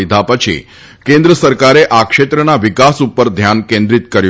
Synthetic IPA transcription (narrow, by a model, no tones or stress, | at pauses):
id̪ʱapət͡ʃʰḭ | kẽnd̪ɾəsəɾkaɾeʔakʂet̪ɾənaʋikasupːəɾd̪ʱjankẽnd̪ɾit̪kəɾju